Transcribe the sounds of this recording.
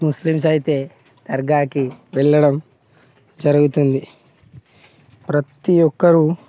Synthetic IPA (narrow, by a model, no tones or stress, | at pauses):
muslims̬ɐjit̪e̞ː | t̪ɐɾɡaːkiʋɛɭːɐɽɐm | d͡ʒɐɾɐɡut̪und̪i | pɾɐt̪ijɔkːɐɾu